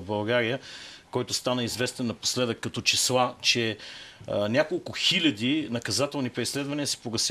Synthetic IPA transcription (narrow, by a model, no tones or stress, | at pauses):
bɐlˠɡaɾijəkɔjt̪ʊst̪anəizvɛst̪ɛnːɐpo̥slɛd̪əkːɐt̪ɔt͡ʃislˠat͡ʃɛ | nʲakolˠkʊxilʲɐd̪inɐkɐzat̪ɛlˠnipɾislɛd̪vɐniəsɛ̥poɡɐsʲ